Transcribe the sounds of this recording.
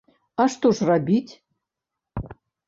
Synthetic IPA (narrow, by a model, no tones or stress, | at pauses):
aʂt̪oʐrabʲitʲ